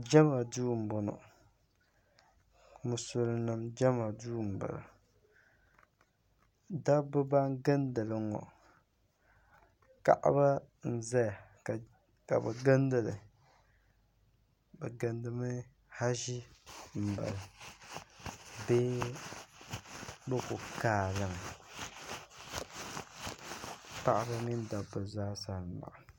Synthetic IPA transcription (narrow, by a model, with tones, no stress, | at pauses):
d͡ʒa˦ma˨duː˦˨m̩˨bɔ˨nɔ̰˨ | mu˨so˨lɨ˨nɨ˨md͡ʒa˦ma˨duː˦˨m̩˨ba̰˨la̰˨ | da˦bɨ˦ba˦ŋ˦ɡa˦ndɨ˨lɨ˨ŋɔ̰˨ | ka̰˦ʔa̰˦ba˦ | n̩˨zɛ˦ja˨ | ka̰˨bɛ˨ɡa˦ndɨ˨lɨ˨ | bɛ˨ɡɨ˨ndɨ˦mɨ˦ | ha˦ʒi˦m̩˨ba̰˨lɨ˨ | beː˦ | bɛ˦ku˨kaː˨lɨ˨m˨ | pa˦ʔa˦ba˦mi˦nda˨bɨ˨zaː˦sa˨n˨ma̰˨ʔa˨